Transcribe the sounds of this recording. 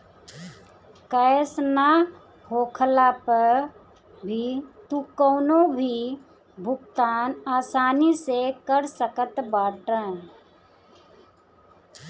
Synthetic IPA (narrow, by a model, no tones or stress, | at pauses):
kəjsna | hoːkʰlapəɾ | bʱit̪ukəːnobʱi | bʱʊkt̪aːnaːsaːnisekəɾsəkət̪baːʈə̃